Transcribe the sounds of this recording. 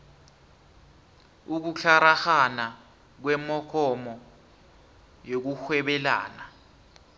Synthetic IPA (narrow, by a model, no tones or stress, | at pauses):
uk̬uɬaɾaxana | k̬wɛmɔkʰɔmɔ | jok̬uxwɛɓɛla̰ːna